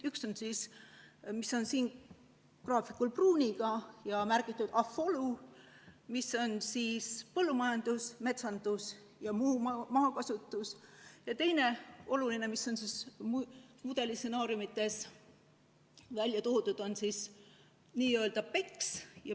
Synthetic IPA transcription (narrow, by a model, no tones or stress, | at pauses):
ykso̞nsis | miso̞nsiːn | krɑːfikˑulpruːnʲiɡɑjɑmærɡ̥it̪ːˑud̪̥ɑfo̞lu | miso̞nsiːspɤ̞lːumɑjɑnd̪̥usme̞t̪sɑnd̪̥us | jɑmuːmɑːkɑsut̪ːˑusjɑt̪e̞jne̞o̞luline̞misːo̞nsismmud̪e̞lise̞nɑːɾiumit̪ːˑe̞s | vælʲjɑt̪uhut̪ud̪̥o̞nsiːs | niːøeld̪ɑpe̞ksjɑ